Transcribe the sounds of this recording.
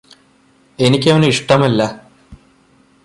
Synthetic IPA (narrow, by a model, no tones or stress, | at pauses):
e̞nikʲːɐʋɐniʂʈɐmɐlːɐ